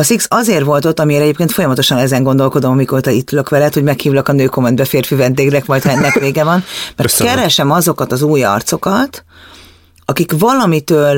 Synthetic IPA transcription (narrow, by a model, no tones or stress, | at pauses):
ɒsiksɒzeːrʋo̞lt̪ot̪ːɒmieːɾɛɟeːp̚keːnfo̞jɒmɒt̪o̞ʃɒnɛzɛŋɡo̞nd̪o̞lko̞d̪o̞mɒmikoːlt̪ɒit̪ːyløkʋɛlɛt̪ho̞ɟmɛkhiːvlɒkɒnøːko̞mːɛnd̪bɛfeːrfyvɛnd̪eːɡnɛkmɒjt̪hɛnːɛkveːɡɛvɒnmɛrtkɛɾɛʃɛmɒzo̞kɒt̪ɒzuːjɒ̰rt̪so̞kɒt̪ | ɒkikvɒlɒmit̪øːl